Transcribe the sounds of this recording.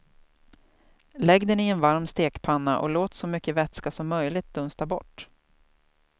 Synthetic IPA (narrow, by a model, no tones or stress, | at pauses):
lɛɡd̪ənɪɛnvaɾmst̪eːkpʰanːa̰ʔɔ̰loːt̪sɔmʏkːəvɛt̪skasɔmːœjlɪɡt̪̚d̪̥ɵnst̪abɔ̰ʈː